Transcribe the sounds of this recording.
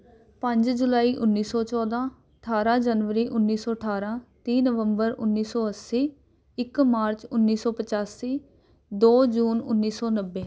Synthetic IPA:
pə̃ɲd͡ʒd͡ʒʊlaːiːʔʊnːiːsɔːt͡ʃɔːd̪ãː | əʈʰaːɾãːd͡ʒənʋəɾiːʔʊnːiːsɔːəʈʰaːɾãːt̪iːnəʋə̃mbəɾʊ̰nːiːsɔːəsiː | ɪkmaːɾt͡ʃʊnːiːsɔːpət͡ʃaːsiː | d̪oːd͡ʒuːnʊnːiːsɔːnəbːeː

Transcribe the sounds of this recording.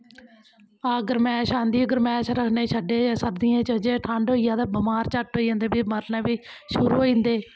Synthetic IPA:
aːɡəɾmɛ̃ːʃãːnd̪iːəɡəɾmɛ̃ːʃɾəkʰneːʃəɖeːsəɾd̪ɪjãːt͡ʃəd͡ʒeːʈʰãːɳɖoːijãːd̪aːbəmaːɾt͡ʃəʈɦoːijãːnd̪eːbiːməɾnɛ̃ːbiːʃʊɾuːɦoːĩːnd̪eː

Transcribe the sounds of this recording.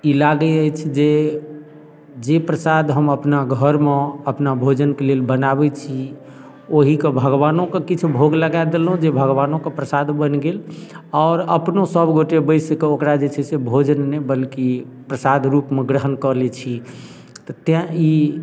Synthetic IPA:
ilaɡɛəjt͡ʃʰd͡ʒe | d͡ʒepɾəsad̪ʱɦəməpnaɡʱəɾmeəpnabʱod͡ʒənkelelbənaβɛt͡ʃʰi | oɦikebʱəɡʋanõkekit͡ʃʰubʱoɡləɡad̪elɦũd͡ʒebʱəɡʋanõkepɾəsad̪ʱbənɡel | ɔːɾəpnosəbʱɡoʈebəɪsekeokɾad͡ʒet͡ʃʰɛsebʱod͡ʒənːɛbəlki | pɾəsad̪ʱɾupmeɡɾəɦənkəɾlɛt͡ʃʰi | t̪ɔt̪ãi

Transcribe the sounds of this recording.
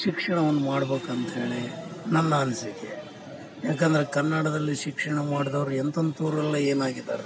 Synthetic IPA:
ʃikʂɐɳɐʋɐnːumaːɽbeːkɐnt̪e̞ːɭenɐnːɐːnsikːḛ | jaːk̬ɐnd̪ɐɾekɐnːaɽɐd̪ɐlːiʃikʂɐɳɐmaːɽd̪ɐʋɐɾuɛnt̪ond̪ut̪uːɾɛlːɐeːnaːɡid̪a̰ːɾ

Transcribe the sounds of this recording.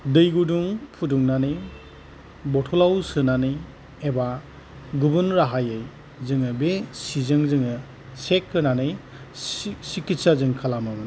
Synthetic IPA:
dɯjɡuduŋpʰuduŋnanɯj | bɔtʰɔlawsɯnanɯj | eba | ɡubɯnɾaɦajɯj | zɯŋɯbesizɯŋzɯŋɯ | sekʰːɯnanɯj | sikitsazɯŋkʰalamɯmɯn

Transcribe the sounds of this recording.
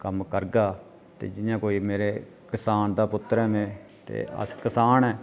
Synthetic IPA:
kəmkəɾɡaː | t̪ḛːd͡ʒɪjãːkoːiːmeːɾeː | kɪsaːnd̪aːpʊt̪ːəɾɛ̃ːmẽːt̪ḛːə̰skɪsaːnɛː

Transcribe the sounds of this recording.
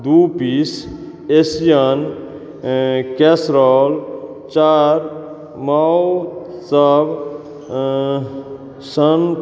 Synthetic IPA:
d̪upis | esijən | kesɾɔl | t͡ʃaɾ | mawsəb | sən

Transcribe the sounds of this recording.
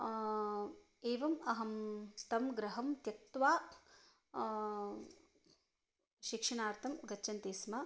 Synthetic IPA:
eːʋɐmɐɦɐmt̪ɐmɡɾɐɦɐmt̪jɐk̚t̪ʋaː | ʃikʂɐɳaːɾt̪ʰɐmɡɐt͡ʃːɐnt̪eːsmɐ

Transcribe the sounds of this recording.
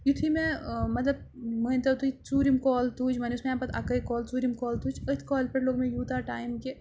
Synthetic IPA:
jut̪ʰimẽmɐt̪ləb̚ | mənt̪ɐt̪uit͡suːɾimkɔːlt̪uːd͡ʒmɐniʊsmeãːpɐt̪ɐ̰kɐikɔːlt͡suːɾimkɔːlt̪uːd͡ʒət̪ʰkɔːlpɐɾloːɡmẽjuːt̪aʈaːjmke

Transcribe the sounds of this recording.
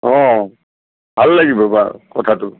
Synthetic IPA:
ɔ̃ | bʱalːaɡibɔba̰kɔtʰatʊ

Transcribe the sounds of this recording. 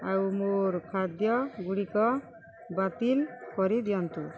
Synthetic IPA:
awmuɾkʰad̪jɔɡuɽikɔ | bat̪ilkɔɾid̪ijɔnt̪u

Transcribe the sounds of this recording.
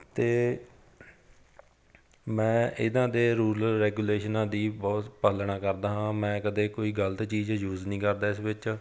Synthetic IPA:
t̪eː | mɛ̃ːʔɪd̪ãːd̪eːɾuːɾlɾɛːɡuːleːʃənãːd̪iːbɔːt̪pəlɳaːkəɾd̪aːɦãːmɛ̃ːkəd̪eːkoːiːɡələt̪t͡ʃiːd͡ʒjuːznĩːkəɾd̪aːɪsʋɪt͡ʃ

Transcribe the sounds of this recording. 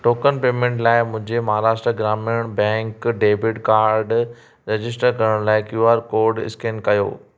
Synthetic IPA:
ʈoːkənpeːmẽːɳʈlaːɪmʊ̃ɦɪ̃ɲd͡ʑemɐɦaːɾaːsʈɾəɡɾaːmeɽ̃bɛ̃ːŋkɖeːbɪʈkaːɾɖ | ɾed͡ʑɪs̬ʈəɾkɐɾəɽ̃laːɪkjuaːɾkoːɾɖɪ̰skeːnkɐjo̰ː

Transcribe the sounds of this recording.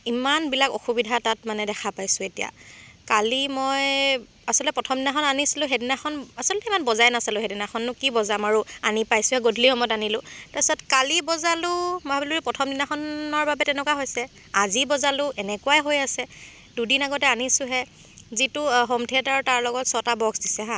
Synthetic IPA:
imanbilakɔxubidʱatatmanɛdɛxʰapajsʊ̃etija̰kalimɔj | asɔlɔtɛpɹɔtʰɔmdinaxɔnanisilʊ̃ɦedinaxɔnasɔlɔtɛimanbɔzajnasalʊɦedinaxɔnːʊkibɔzamaɹua̰nipajsʊɦɛɡodʱlihɔmɔjɔtanilʊtasɔtkalibɔzalʊmɔabiluɛpɹɔtʰɔmdinaxɔnɔɹbabɛtɛnɛkwaɦojsɛ | azibɔzalʊʔɛnɛkʊwajɦojasɛ | dudinaɡɔtɛanisʊɦɛ | zitʊɦɔmtʰiɛtaɹutaɹlɔɡɔtsɔtabɔɡsdisɛɦã

